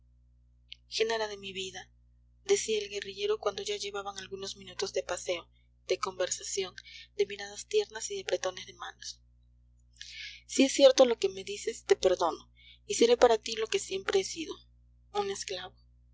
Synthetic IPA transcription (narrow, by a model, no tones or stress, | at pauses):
xenaɾaðe̞miβiða | ðe̞siaelɣe̞riʝe̞ɾo̞kwand̪oʝaʝe̞βaβaŋalɣuno̞zmĩnut̪o̞zðe̞pase̞o̞ | d̪e̞ko̞mbe̞ɾsasjo̞nd̪e̞miɾaðast̪je̞ɾnasiðe̞pɾe̞t̪o̞ne̞zðe̞manos | sie̞sːje̞ɾt̪o̞lo̞ke̞me̞ðise̞st̪e̞pe̞ɾðo̞no | ise̞ɾepaɾat̪ilo̞ke̞sje̞mpɾe̞esiðo̞ | une̞sklaβo